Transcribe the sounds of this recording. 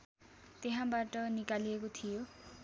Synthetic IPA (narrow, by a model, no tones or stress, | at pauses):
t̪eɦãbaʈʌnikalijekot̪ʰijo